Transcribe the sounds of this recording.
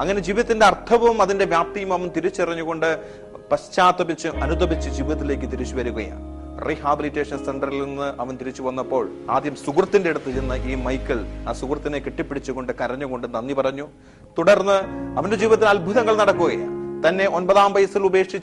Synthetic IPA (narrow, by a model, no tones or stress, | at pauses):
ɐŋːɐne̞d͡ʑiːʋiðɐt̪ːinde̞ɐrt̪ʰɐʋɐmɐðinde̞ʋjaːp̚t̪ɐjumɐʋɐnt̪iɾit͡ɕːirɐɲːuɣo̞ɳɖɨ | pɐst͡ɕaːt̪ɐbit͡ɕːuʔɐnut̪ɐbit͡ɕːɨd͡ʑiːʋiðɐt̪ːile̞ːk̬ːɨt̪iɾit͡ɕːuʋɐɾuɣɐ̰ja̰ː | riɦaːbilitːe̞ːʂɐnseɳɖɐrilenːɨʔɐʋɐnt̪iɾit͡ɕːuʋɐnːɐpːo̞ːɭ | a̰ːd̪ʱjɐmsuɡrɐt̪ːinde̞iɽut̪ːɨt͡ɕenːɐʔiːmɐjkːɐɭaːsukrɐt̪ːinekeʈːipːeɽit͡ɕːuɣo̞ɳɖɨkɐɾɐɲːuɣo̞ɳɖenːɐnːipɐrɐɲːu | t̪uɽɐrnːɨɐʋɐnde̞d͡ʑiːʋiðɐt̪ːilɐlbʱuðɐŋːɐɭnɐɽɐkːuɣɐja̰ːnt̪ɐnːe̞ʔo̞nbɐðaːmʋɐjɐsilube̞ːkʂit͡ɕː